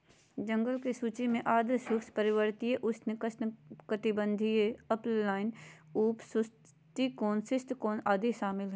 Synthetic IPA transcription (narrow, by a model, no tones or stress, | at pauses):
d͡ʒə̃ŋɡəlkesuːt͡ʃimẽʔaːd̪ɾʃʊkspəɾɪwəɾt̪ieʔʊsnɪkəskət̪ɪbə̃nd̪ʱieəplaːɪnuːpsʊs | t̪ikoːnsɪst̪koːnaːd̪iʃaːmɪlɦɛ